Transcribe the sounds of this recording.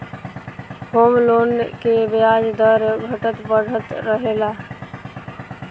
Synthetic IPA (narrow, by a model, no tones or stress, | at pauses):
hoːmlonkebejad͡ʒd̪əɾɡʱəʈət̪bəɽ̤ʱət̪ɾəɦela